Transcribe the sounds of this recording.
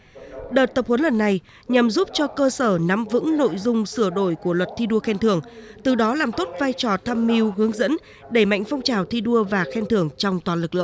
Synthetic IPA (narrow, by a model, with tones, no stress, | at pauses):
ɗəː˨˩t̚t̪ə˨˩p̚hwə˨˦nlə˨˩nːa˨˩j | ɲa˨˩mzu˦˥p̚t͡ɕɔ˧kəː˧səː˧˩na˨˦mvɨ̰˧˥ŋno̰˧˨jzʊ˧ŋ͡msɨ˧˩əɗo̰˧˨jku˧˩əlwə˨˩t̚t̪ʰi˧ɗu˧əxɛ˧nt̪ʰɨ˧˩əŋt̪ɨ˨˩ɗɔ˨˦laː˨˩mt̪o˦˥t̚vaː˧jt͡ɕɔ˨˩t̪ʰaː˧mːi˧wɦɨ˨˦əŋzə̰˧˥n | ɗe˧˩ma̰˧˨jŋ̟fɔ˧wŋ͡mt͡ɕaː˨˩wt̪ʰi˧ɗu˧əvaː˨˩xɛ˧nt̪ʰɨ˧˩əŋt͡ɕɔ˧wŋ͡mt̪waː˨˩nlɨ˨˩k̚lɨ̰˧˨